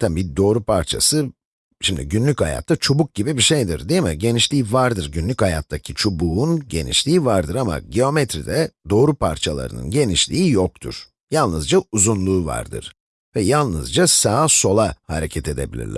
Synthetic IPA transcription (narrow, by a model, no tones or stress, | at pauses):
t̪ʰambid̪o̞ːɾupʰaɾt͡ʃʰa̰sɯ | ʃimd̪iɟynlʲychaja̰t̪ʰːat͡ʃʰobuk̚ɟibibiʃejd̪iɾd̪ijmiɟe̞niʃlʲiːvaɾd̪ɯɾɟynlʲychajat̪ʰːacʰit͡ʃʰobuːunɟḛnḭʃlʲiːivaɾd̪ɯɾama̰ɟio̞met̪ʰɾid̪ɛd̪o̞ːɾupʰaɾt͡ʃʰalˠa̰ɾɯ̰nɯ̰nɟe̞niʃlʲiijok̚t̪ʰṵɾ̥ | jalˠnɯzd͡ʒauzunlˠuːva̰ɾd̪ɯ̰ɾ̥ | vɛjalˠnɯzd͡ʒasaːso̞lˠahaɾe̞cʰɛt̪ʰe̞d̪e̞̰bilʲḭɾlʲæ̥